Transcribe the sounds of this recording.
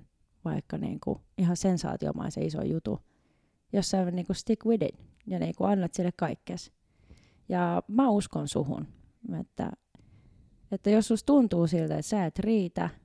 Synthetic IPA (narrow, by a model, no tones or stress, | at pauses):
ʋɑikːɑnḭːŋkṵihɑsensɑ̰ːt̪io̰mɑ̰isḛiso̰jut̪ṵ | josːɑonniːŋkust̪ikwidḭn | jɑnḭːŋkuɑnːɑt̪silːekkɑikːes | jɑmæuskonsuhṵn | ḛt̪ːæ̰ | et̪ːæjosːust̪unt̪uːsilt̪æet̪sæˑet̪riːt̪æ